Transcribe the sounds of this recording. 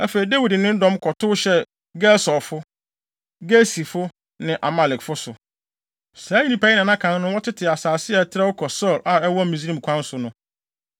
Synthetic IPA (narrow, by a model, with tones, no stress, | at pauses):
æ˦fe˨i˨de˦wi˨dnɪ̃˦n̩˦dɔ̃˦mkʰɔ˨tʰʊ˦ɕɛ˦ | ɡɛ˦sɔ˨fʊ˦ | ɡe˦si˨fʊ˦ | nɪ̃˨ʔa˨ma˨lɪ˨kfʊ˦sʊ˨ | sɾaː˦ĩ˦nĩ˨pʰa˦ɪ˦nã˨nã˦kʰã˨n˦nʊ̃˦wɔ˦tʰɪ˦tʰɪ˨a˨saː˨sɪ˦ɛ˨tʰɪ˦ɾɛ˦wʊ˦kʰɔ˨sɔ˦˨la˨ɛ˦wɔ˦mĩ˨zi˦ɾĩ˨kʷʰã˦n˦sʊ˨nʊ̃˦